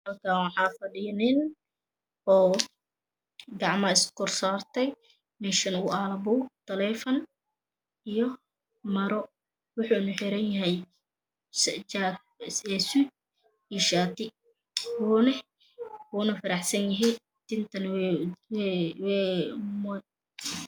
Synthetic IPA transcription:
mɐlkʰawɑħɑːfɐɖɪjɐnɪn | ɔː | ɡɑʕmɐɪskʊrsaːrt̪ʰɛj | mɛʃɐnualɐbʊwt̪ʰɐlɛfɐn | ijɔ | mɐɾɔ | wʊħuːnɐħɪɾɐnjɐɦɛj | st͡ʃa | sɛsʊ | iʃaːt̪ʰɪ | wuːnɛ | wuːnɐfɐɾɑħsɐnjɐɦɪj | t̪ɪnt̪ʰɐnw | wɛːm

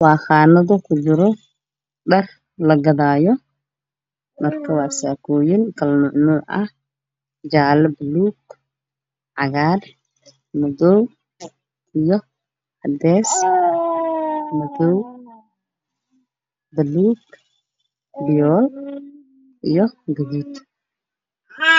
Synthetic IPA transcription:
wɑːχaːnɐðʊkʰʊd͡ʒɪɾɔ | ɖɐr | lɐɡɐðaːjɔ | mɐrkʰɐwɑːsaːkʰɔːjɪnkʰɐlnʊʕnuːʔɐh | d͡ʒaːlɛbɐluːɡ | ʕɑɣaːr | mʊdɔw | ʔijɔ | ʔɐd̪ɛːs | mʊðɔw | bɐluːɡ | bɪjɔːl | ʔijɔɡɐðuːd̪

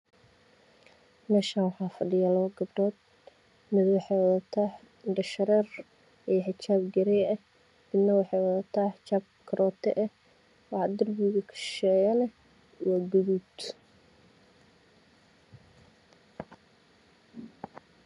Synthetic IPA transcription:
mɛːʃaːnwɑħɑːfɐɖɪjalɐβɐɡɐbɖɔːd̪̚ | mɪðwɑħɑjwɐðɐt̪ʰaː | ɖɐʃɐɾɛːr | ʔijħɪt͡ʃaːbɡɐɾɛjɐh | bɪd̪nːɐwɑħɑːwɐðɐt̪ʰaːħɪt͡ʃaːb̚kʰɐɾʔɔːt̪ʰɛ̰ʔɛ | wɑħd̪ɐrbuːɣɐkʰɐ̥ʃɛjɐnɛ | wɐɡʊðud̪

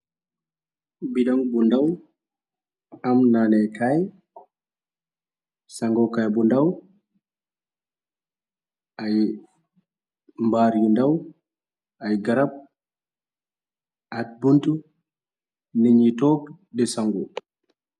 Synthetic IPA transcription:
biɗaŋbundaw | amnanɛkaj | saŋɡɔkajbundaw | ʔaj | mbaːɾjundaw | ajɡaɾab̚ | ʔat̚buntu | niɲitɔk | dɛsaŋɡɔ

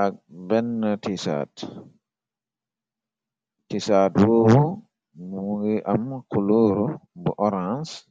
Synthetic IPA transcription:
abɛnːatisa̰t | tisaːdɾowu | muɡiʔamkuluːɾubɔʔɔɾãns

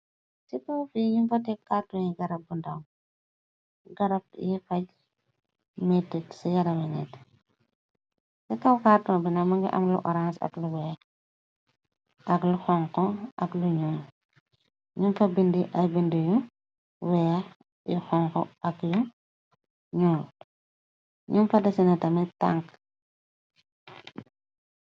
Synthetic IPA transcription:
stikɔwfiɲumfɐtɛkːatːɔɲiɡɐɾɐb̚bundɐw | ɡɐɾɐp̚jifɐɟ | mɛtːitsɐjɐɾɐwinɛt | sikɐwkaːtːɔbinɐmɐŋɡḭʔɐ̰mlṵʔɔɾansɐ̰kluwɛ | ʔɐkluxɔŋkɔʔɐ̰kluɲɔːl | ɲumfɐbindiʔɐbindiju | wɛː | ixɔŋkɔʔɐkju | ɲuːl | ɲumfɐdɐsinɐtɐmɛta̰ŋk

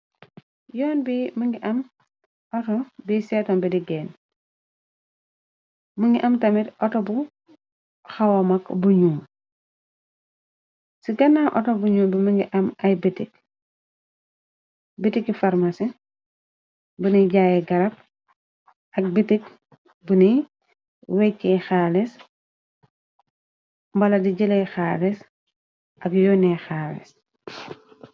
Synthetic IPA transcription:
jɔːnbimuŋɡiʔɐm | ɔtobisetombidiɡeːn | muŋɡiʔɐmtɐmitʔɔtobu | xawamɐkbuɲuː | siɡɐnaʔɔ̰tobuɲuːbimiŋɡiʔɐmɐjbitik̚ | bitikifaɾmasi | buniɟaːjeɡɐɾɐp̚ | ɐk̚bitik | buni | wekːexalis | mbɐlɐdiɟilejxaːlis | ɐkjoːnexaːlḭs

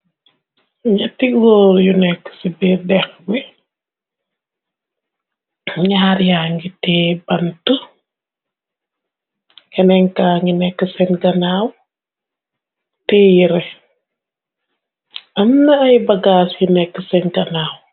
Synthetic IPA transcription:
ɲɐtiɡɔːɾjunɛkːə̥sibidɛxɡi | ɲaɾjaːŋɡitɛːbɐntə | kɛnɛŋkaːŋɡinɛkːəsɛnɡɐnaːw | tɛːjiɾɛ | ɐmnɐɐjbɐɡaːsjunɛkːəsɛnɡɐnaːw

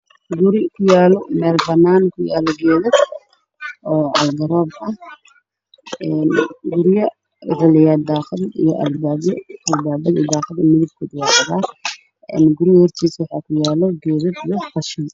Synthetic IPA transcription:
ɡʊɾɪkʰʊjaːlɔmɛːlbɐnaːnkʰʊjaːlɔɡɛːðɐd̪ | ʔɔːʕɑ̰lɡɐɾɔːbʔɐh | ɛːnɡʊɾɪjɐ | rɪlɪjaːd̪aːqɐd̪ḭjɔʔɐ̰lbaːbjɔʔɐlbaːbɐd̪ḭd̪aːqɐd̪ɛmɪðɪb̚kʰʊd̪asɐðaː | ɛ̰ːnɡʊɾɪjɐhɔrt̪ʰiːswɑħɑːkʰʊjaːlɔɡɛːðɐd̪ijɔfɐʃɪn

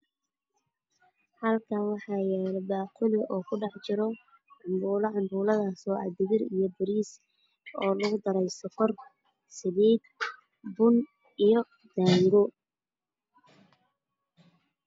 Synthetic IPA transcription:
hɐlkʰanwɑħɑːjɛːldaːqʰʊlɪʔɔːkʰʊɖɑħt͡ʃɪɾɔ | ʕʊmbuːlɐʕʊmbuːlɐðaːsɔːʔɑ̰d̪ɪɣɪrijɔbɪɾiːs | ɔːlɐɣʊd̪ɐɾɛjsɐfɔr | sɪβiːd̪ | bʊn | ijɔ | d̪̥aːŋɡɔ

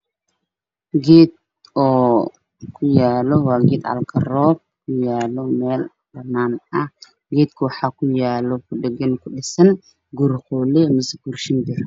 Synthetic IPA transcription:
ɡɛːd̪̚ | ɔː | kʰʊjaːlɔwɑːɡɛːd̪ʕɐ̰lkʰɐɾɔːb̚kʰʊjaːlɔmɛːl | b̥ɐnːaːnɐ | ɡɛːd̪kʰʊwɑħɑːkʰʊjaːlɔkʰʊɖɛɡɐnkʰʊɗɪsɐn | ɡʊɾχɔlɛmɪsɡurʃɪnd̪ɪr

